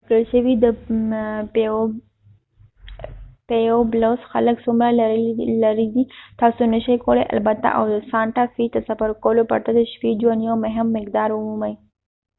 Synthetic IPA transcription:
kəlʃəwid̪ə | p | pejoblosxaləksumɾalaɾid̪it̪ɑsonəʃajkolḛʔa̰lbat̪a̰ʔa̰wd̪əsɑɳʈafit̪əsafaɾkolopa̰ɾt̪ad̪əʃpid͡ʒuwanjomʊɦɪmːɪkd̪ɑɾʊmumaj

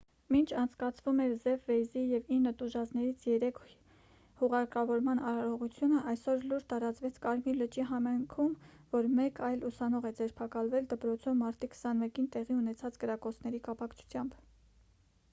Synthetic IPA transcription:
mint͡ʃʰɑnt͡sʰkɑt͡sʰvumɛɾzɛvːɛjzijɛvinːət̪uʒɑt͡snɛɾit͡sʰjɛɾɛkʰ | huʁɑɾkɑvɔɾmɑnɑɾɔʁut͡sʰjunəʔɑjsɔɾluɾt̪ɑɾɑt͡svɛt͡sʰkɑɾmilət͡ʃiɦɑmɑjŋkʰumvɔɾmɛkɑjlusɑnɔʁɛd͡zɛɾpʰɑkɑlvɛld̪əpɾɔt͡sʰɔvmːɑɾt̪ikʰsɑnmɛkint̪ɛʁiunɛt͡sʰɑt͡skəɾɑkɔt͡sʰnɛɾikɑpɑkt͡ʃʰu̥t͡sʰjɑmb

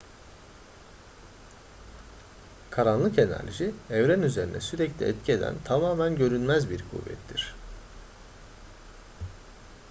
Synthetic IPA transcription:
kʰaɾanlˠɯke̞næ̰ɾʒiɛvɾænyze̞ɾinɛ̰syɾɛclʲiɛt̪̚cʰie̞d̪æ̰nt̪ʰamaːmænɟø̞ɾynmæzbiɾkʰṵvːɛ̰t̪ʰːiɾ̝̥

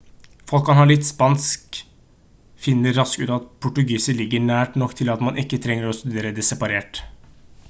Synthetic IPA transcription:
fɔlkhɑnhɑːɭɪt̪ːspɑnsk | fɪnːəɾːɑskʉːt̪ɑt̪pʰʊʈʉɡiːsəlɪɡːəɳæːʈnɔkːt̪ʰɪlɑt̪mɑnʔɪkːət̪ʰɾɛŋːəɾɔst̪ʉd̪eːɾəd̪ɛsɛpɑɾeːʈ

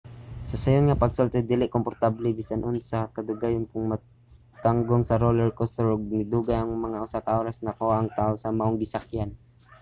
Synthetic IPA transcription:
sɐsɐjonŋapɐɡsolt̪ɛd̪ilɪʔkompoɾt̪ablɛbiːsanʔonsɐkɐd̪ʊɡajʊnkʊŋma | t̪aŋɡoŋsɐɾolɛɹkost̪ɛɹoɡ̚nɪd̪uːɡajɐŋmɐŋaʔʊsakaʔoːɾasnakowaʔːŋt̪aːʔosɐmaʔoŋɡɪsakjan

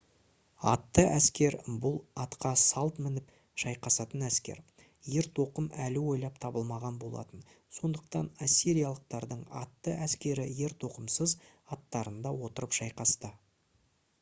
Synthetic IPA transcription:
ɑt̪ːəʔæskʲe̞ɾbʊlˠɑt̪qɑsɑlˠt̪mɪnɪp | ʒ̥ɑjqɑsɑt̪ənæskʲe̞̰ɾ | je̞ɾt̪ʰo̞qəmælɪwo̞jlˠɑp̚t̪ʰɑbəlˠmɑʁɑnbo̞lˠɑ̰t̪ən | so̞nd̪əq̚t̪ɑnasʲːiɾijaɑlˠəq̚t̪ɑɾd̪əɴɑ̰t̪ːəʔæskʲe̞ɾɪje̞ɾt̪ʰo̞qəmsəz | ɑt̪ːɑɾənd̪ɑwo̞t̪əɾəpʒɑjqɑst̪ə

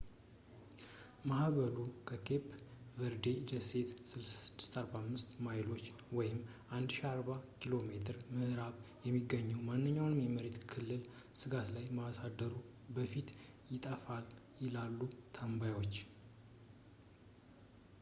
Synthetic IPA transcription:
mahβəlukʰəkʰe̞pvəɾd̪e̞d̪əse̞t̪sɨlssɨd̪̥ːɨ̥st̪aɾbamːɨst̪majɪlo̞t͡ʃː | wɔjɪmː | ʔand̪ʃiaɾbakʰilo̞me̞t̪ʰɨɾmɨhɾaβjɛmːiɡəɲːuwmanːɨɲːawnmeməɾe̞t̪kʰɨlːɨl | sɨɡat̪lajmasad̪ːəɾu | bəfit̪ | jɪt̪ʼəfal | jɪlalːut̪ʰəmbajwo̞t͡ʃː

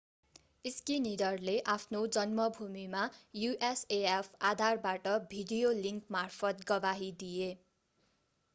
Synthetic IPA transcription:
iskinid̪ʌrleʔapʰnod͡zʌnmʌbʱumimajuʔeseepʰad̪ʱarbaʈʌbʱiɖijoliŋkmarpʰʌt̪̚ɡʌbaɦid̪ije

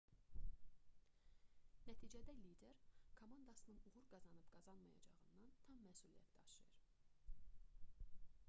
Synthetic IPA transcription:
næt̪ʰiːd͡ʒæd̪ælid̪e̞ɾkʰomɑnd̪ɑsɯnɯnuʁuɾɡɑzɑnɯbɡɑzɑnmɑjɑ̰d͡ʒɑʁɯnd̪ɑnt̪ʰɑmːæsulijæ̰t̪ʰd̪ɑʃlˠɑ̰jɯɾ

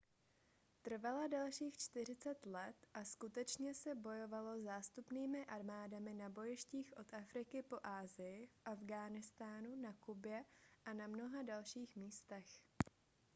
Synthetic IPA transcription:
t̪r̩valadalʃiːxt͡ʃt̪ɪr̝ɪt͡sɛt̪lɛt̪ʔaskut̪ɛt͡ʃɲɛsɛbo̞jo̞valo̞zaːst̪upniːmɪʔaɾmaːdamɪnabo̞jɪʃciːxʔo̞t̪afɾɪkɪpo̞ʔaːzɪjɪfʔavɡaːnɪst̪aːnunakubɪjɛʔanamno̞ɦadalʃiːxmiːst̪ɛx

